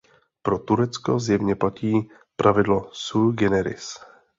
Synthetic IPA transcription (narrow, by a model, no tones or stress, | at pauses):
pɾot̪uɾɛt͡skozjɛvɲɛplaciː | pɾʔavɪdlosulɡɛnɛɾɪ̰s